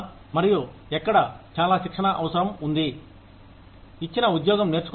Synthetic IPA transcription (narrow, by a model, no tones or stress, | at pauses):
mɐɾiju | ɛkːɐɽɐt͡ʃaːlaːʃikʂɐɳɐʔɐʋɐsɐɾɐmund̪i | it͡ʃːinɐud̪jɔːɡɐmne̞ːɾt͡ʃu̥k